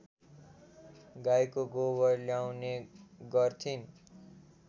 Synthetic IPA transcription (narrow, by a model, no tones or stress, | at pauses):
ɡajkoɡobʌrljawneɡʌrt̪ʰin